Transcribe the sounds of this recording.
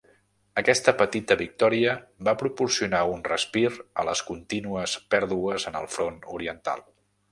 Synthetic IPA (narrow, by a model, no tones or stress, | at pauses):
əkɛst̪əpət̪it̪əβik̚t̪ɔɾiəbapɾupuɾsiunaunrəspiɾə̰ləskunt̪inuəspɛɾðuəzənə̰lˠfɾonṵɾiənt̪a̰lˠ